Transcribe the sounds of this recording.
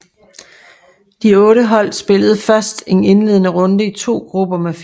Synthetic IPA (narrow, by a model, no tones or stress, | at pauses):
d̥iɔ̽ːɾəɦɒ̽l̰sb̥e̝ləð̞̩ˠəfɶɐsd̥e̝ne̝nle̝ðˠənəʁɔ̽nd̥əit͡sʰo̝̰ːɡ̥ʁub̥ɐmef